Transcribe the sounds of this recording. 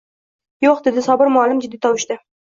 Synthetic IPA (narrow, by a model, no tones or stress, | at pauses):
joqd̪ed̪ɪsɒbəɾmʊɑlɪmd͡ʒɪd̪ːit̪ʰɒwɪʃt̪ɪ